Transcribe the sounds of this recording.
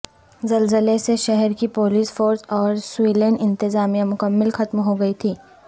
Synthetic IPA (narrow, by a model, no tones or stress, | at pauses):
zɐlzəleseʃɛɦɛɾkipoːliːsfoːɾsɔːɾswiːləɳɖɪ̃nt̪ɪzaːmijãmʊkəmːɪlxɐt̪mɦoɡɐit̪ʰiː